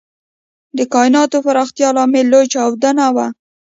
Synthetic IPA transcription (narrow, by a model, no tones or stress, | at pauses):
d̪əkɑjnɑt̪ofaɾɑxt̪jɑlɑmelːojt͡ʃɑwd̪anawa